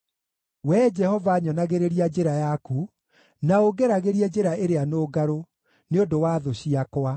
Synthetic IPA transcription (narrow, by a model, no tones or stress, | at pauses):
wɛːd͡ʒɛhɔvaɲɔnaɣeɾeɾiad͡ʑeɾajaku | naoɡɛɾaɣeɾiɛd͡ʑeɾaeɾeanoːɡaɾo | neondowaːðoɕiakwa